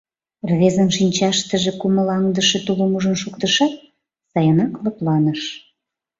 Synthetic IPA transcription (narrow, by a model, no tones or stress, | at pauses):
rβezənʃinʲt͡ɕɑʃt̪əʒekuməlɑŋd̪əʃet̪ulumuʒənʃukt̪əʃɑt̪̚ | sɑjənɑklɤplɑnəʃ